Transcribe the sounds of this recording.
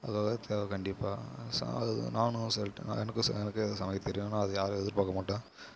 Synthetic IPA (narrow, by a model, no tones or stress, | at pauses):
ɐkːaːɣɐt̪ʰːeːʋɐkɐɳɖɪpːaːsɐ̰ɐɯ̰naːnɯsɛ̰ɛnɐkːɯsɛnɐkːɯsɐmɐjɐt̪ːɛɾɪjõnːaːɐðɯjaːɾɯɛðɪɾpaːkːɐmaːʈːãː